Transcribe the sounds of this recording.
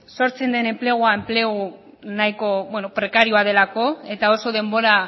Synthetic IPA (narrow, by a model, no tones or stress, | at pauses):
so̞ɾt͡se̞nd̪e̞ne̞mple̞ɣ̞uae̞mpleɣu | najko̞βwe̞nopɾe̞kaɾioað̞e̞lako̞e̞t̪ao̞so̞ð̞e̞mbo̞ɾa